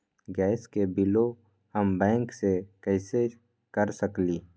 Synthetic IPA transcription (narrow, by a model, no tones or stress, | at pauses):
ɡɛːskebɪlo | həmbɛ̃ːŋksekəɪse | kəɾsəkliː